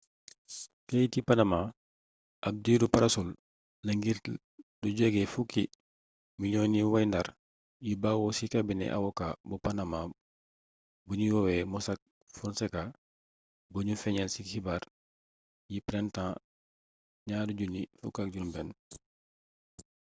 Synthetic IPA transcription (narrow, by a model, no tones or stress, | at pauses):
kejtipanama | ʔɐb̚diːdupɐɾɐsul | nɐŋɡiɾ | duɟɔɡɛfuki | miɲɔniwɐjndaɾ | jibawɔsikabinɛ̰ʔa̰wɔkabupanama | buɲiwɔwɛmɔsak̚ | funsɛka | boɲufɛɲɛlsikibaɾ | jipɾɛntãː | ɲaːduɟunifṵkak̚ɟumbɛn